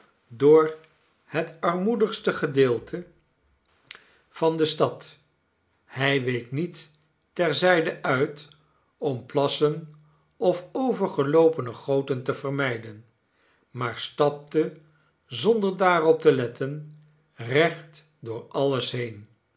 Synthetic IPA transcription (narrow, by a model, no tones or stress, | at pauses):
dʊːɹ | hətɑɹmudəχstəχədɪːlˠtʰə | v̥ɑndəstɑt | hɛjʋejknitː | ɛɹzɛjdəʔœɥt | ɔmplɑsən | ʔɔfowvəɹχəlowpənəχowtəntəvəɹmɛjdən | maːɹstɑp̚tə | zɔndəɹdaːrɔp̚təlɛtən | rɛχt | dʊːɹɑləsɦejn